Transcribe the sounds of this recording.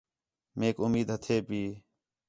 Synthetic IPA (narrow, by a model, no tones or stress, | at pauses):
meːkʊmiːd̪ɦət̪ʰeːpiː